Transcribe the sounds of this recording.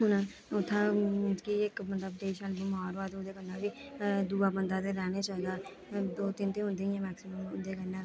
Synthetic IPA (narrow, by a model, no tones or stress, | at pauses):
ɦʊnãː | ʊt̪ʰːãːkiɪkmət̪ləbd̪eːʃəlbəmaːɾoaːt̪ːʊd̪eːkənːãːbiːd̪uːaːbənd̪aːt̪eɾɛːneːt͡ʃaːiːd̪aː | d̪oːt̪ɪnt̪eːɦʊ̃nd̪eːɛ̃ːmɛːksɪməmʊ̰nd̪eːkənːãː